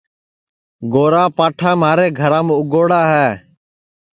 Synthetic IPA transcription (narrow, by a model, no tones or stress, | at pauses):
ɡoːɾaːpaːʈʰaːmaːɾeːɡʱəɾaːmːʊɡoːɽaːɦɛː